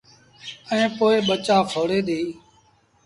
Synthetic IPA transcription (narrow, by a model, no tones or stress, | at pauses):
əẽːpoːɪːɓət͡ʃaːfʰoːɽeːɗ̪iː